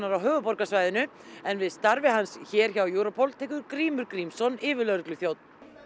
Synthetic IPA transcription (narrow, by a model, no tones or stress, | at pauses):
naɾawɦœːɣʏpɔɾkasvaːjðɪnʏ | ɛnvɪðst̪aɾvɪɦansçɛːɾ̥çawjuːɾɔpʰɔwlt̪ʰɛːkʏɾkɾiːmʏɾkɾimsɔnɪːvɪlœɾklʏθjowt̪n̥